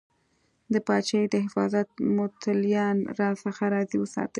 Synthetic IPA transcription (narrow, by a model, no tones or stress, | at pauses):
d̪əpɑt͡ʃajd̪əɦɪfɑ̰zat̪̚mʊt̪aljɑnɾɑsəxaɾɑziwəsɑ̰t̪əl